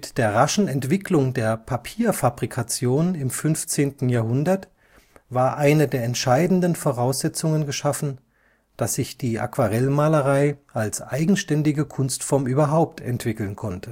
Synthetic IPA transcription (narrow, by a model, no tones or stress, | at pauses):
td̥eːɐʁaʃn̩ɛntv̥ɪklʊŋdeːɐpʰapʰiːɐfabʁikʰat͡sjoːnɪmfʏnft͡seːntn̩jaːɐɦʊndɐt | vaːɐʔaɪnədeːɐɛntʃaɪdn̩dənfoʁaʊsz̥ɛt͡sʊŋənɡəʃafn̩ | d̥asz̥ɪçd̥iːʔa̰kv̥aʁɛlmaːləʁaɪʔalsʔaɪɡŋ̩ʃtɛndɪɡəkʰʊnstfɔɐmʔyːbɐɦaʊp̚tʰɛ̰ntv̥ɪkl̩nkʰɔntə